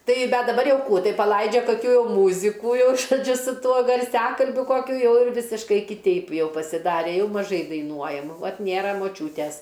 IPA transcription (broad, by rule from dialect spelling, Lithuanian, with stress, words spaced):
ˈtɐɪ ˈbʲɛt dɐˈbɐr ˈjɛʊ ˈkuː ˈtɐɪ pɐˈlˠɐɪd͡ʒʲɛ kɐˈkʲuː ˈjɛʊ ˈmuːzʲɪkuː ˈjɛʊ ʒoːˈd͡ʒʲʊ sʊ ˈtuɔ ɡɐrʲˈsʲæːkɐlʲbʲʊ ˈkoːkʲʊ ˈjɛʊ ɪr ˈʋʲɪsʲɪʃkɐɪ kʲɪˈtʲɛɪp ˈjɛʊ pɐsʲɪˈdɑːrʲɛ ˈjɛʊ mɐˈʒɐɪ dɐɪˈnuɔjɛm ˈʋɐt ˈnʲeːrɐ moːˈt͡ʃʲuːtʲɛs